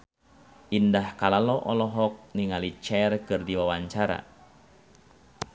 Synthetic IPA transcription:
ʔindahkalalɔʔɔlɔɦɔk̚niŋalit͡ʃɛrkɨrdiwawaɲt͡ʃaɾa̰

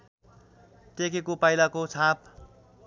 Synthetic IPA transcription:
t̪ekekopajlakot͡sʰap̚

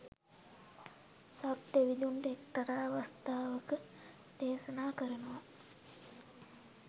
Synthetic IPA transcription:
sabt̪eʋid̪uɳɖəek̚t̪ɐɾaːʋast̪aːʋəkə | d̪̥eːsɐnaːkəɾənəʋa

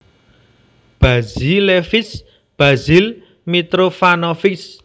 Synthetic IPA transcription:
b̥azilefɪs | b̥azil | mit̪ɾofanɔfɪs

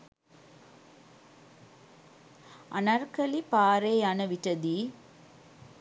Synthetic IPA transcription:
ʔɐnɐɾkɐlipaːɾeːaːnɐʋiʈːɐd̪i

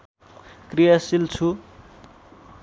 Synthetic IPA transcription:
krijasilt͡sʰu

